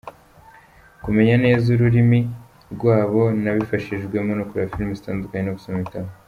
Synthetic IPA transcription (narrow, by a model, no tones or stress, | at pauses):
kume̞ɲane̞ːzuɾuɾimi | ɾɡwaːβo̞naβifaʃiʒɡwe̞monokuɾafilmezitaːndukaɲenoku̥somitama